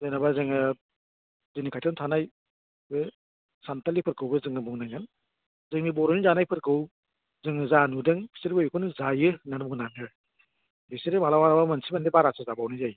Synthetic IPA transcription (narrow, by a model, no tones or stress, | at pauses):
zɯjnabazɯŋɯ | zɯnikajtʰantʰanaj | bɯ | santalipʰɯɾkʰɯwbɯzɯŋɯbuŋnaŋɯn | zɯŋnibɔɾɔnizanajpʰɯɾkʰɯw | zɯŋɯzanudɯŋbi̥siɾibɯjkʰɔnɯzajɯnanbuŋnamɯ | bisiɾimalawaɾabamansʰibandibaɾasʰazabawnɯzaj